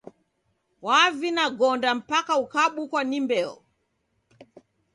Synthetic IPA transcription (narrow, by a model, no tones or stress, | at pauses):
wavinaɡɔndam̩pakaukaɓukwanimbɛɔ̰